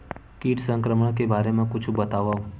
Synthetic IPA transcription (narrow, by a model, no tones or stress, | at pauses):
kiːʈsə̃ŋkɾəməɽ̃kebaːɾemãkʊt͡ʃʰbət̪aʋa